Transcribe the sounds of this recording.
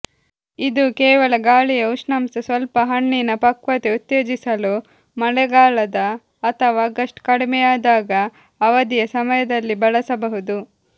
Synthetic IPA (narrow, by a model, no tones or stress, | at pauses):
id̪ukɛːʋɐlɐɡaːɭijɐuʂnɐmsɐsʋɐlpɐɦɐɳːinɐpɐkʋɐt̪eut̪jeːd͡ʒisɐlu | mɐɭɛɡaːɭɐd̪ɐː | t̪ʰɐʋaːɡɐʂʈkɐɽimɛjaːd̪aːɡɐː | ʋɐd̪ijɐsɐmɐjɐd̪ɐlːibɐɭɐsɐbɐɦud̪u